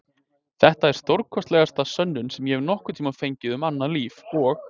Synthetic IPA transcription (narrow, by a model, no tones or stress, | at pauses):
θɛht̪aɛɾ̥st̪owɾkʰɔst̪lɛɣast̪asœnːʏnsɛmjɛhɛvɾnɔhkʏ̥t̪ʰiːmafejɲcɪðʏmanːaliːvɔɣ